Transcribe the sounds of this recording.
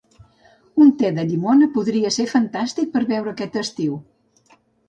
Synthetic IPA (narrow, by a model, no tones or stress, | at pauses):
unt̪ɛðəʎimonəpuðɾiəseɾfənt̪ast̪ik̚pəɾβɛwɾəːkɛt̪əst̪iw